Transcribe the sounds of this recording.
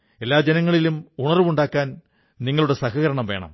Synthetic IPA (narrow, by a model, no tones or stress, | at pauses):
e̞lːaːd͡ʑe̞nɐŋːɐɭilumuɳɐruʋuɳɖaːkːaːn | niŋːɐɭuɽe̞sɐhɐɣɐɾɐɳɐmʋe̞ːɳɐ̰m